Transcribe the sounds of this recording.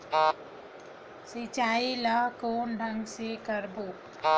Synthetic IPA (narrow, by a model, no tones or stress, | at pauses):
sit͡ʃaːiləɦkoːnɖʱə̃ŋɡsekəɾboː